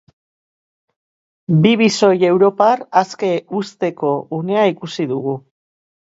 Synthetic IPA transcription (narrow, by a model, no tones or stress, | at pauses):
biβiso̞je̞wɾo̞paraske̞ust̪e̞ko̞une̞aikusiðuɣu